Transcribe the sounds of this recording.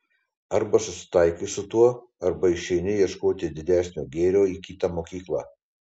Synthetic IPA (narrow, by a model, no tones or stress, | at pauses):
ɐɾbɐsʊsʲɪ̥t̪ɐɪkʲɪsʊt̪uɔ | ɐɾbɐɪʃʲɛɪnʲɪjiɛʃkoːt̪ʲɪd̪ʲɪd̪ʲæːsʲnʲoːɡʲeːɾʲoːiːkʲiːt̪ɑmoːkʲiːklˠɑ̰ː